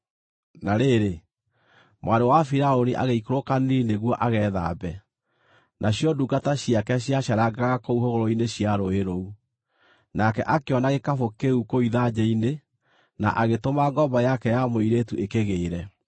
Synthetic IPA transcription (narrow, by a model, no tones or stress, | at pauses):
naɾeɾe | mwʔaɾowafiɾaoniʔa̰ɣeikoɾokanineɣwɔʔaɣɛːða̰bɛ | nʔaɕjɔdukataɕjakɛɕjaɕaɾaɡaɣakouɦoɣoɾoineɕjaɾoeɾou | nakɛʔakeɔnaɣekafokeukoiðad͡ʑɛine | na̰ʔaɣetomaɡɔbɔjakɛjamoiɾetuekeɣeːɾɛ